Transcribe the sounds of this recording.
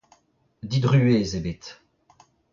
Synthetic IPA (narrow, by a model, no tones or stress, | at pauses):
d̪id̪ʁyezebet̪